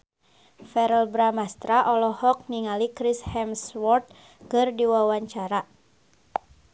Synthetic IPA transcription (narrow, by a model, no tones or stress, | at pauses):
fɛɾəlbɾamast̪ɾaʔɔlɔhɔk̚niŋalikɾishɛmswɔrt̪̚ | kɨrdiwawaɲt͡ʃaɾa